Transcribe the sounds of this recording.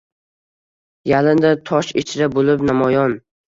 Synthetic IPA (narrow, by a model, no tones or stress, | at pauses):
jalɪnd̪at̪ʰɒʃɪt͡ʃʰɾabolɪpnamɒjɒn